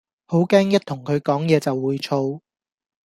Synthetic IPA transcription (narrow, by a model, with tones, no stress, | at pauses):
ho˨˥wkɛː˥ŋjɐ˥t̪ʰʊ˨˩ŋkʰɵ˨˧ɥkɔː˨˥ŋjɛː˨˧t͡sɐ˨wːuː˨˧jt͡ʃʰo˧w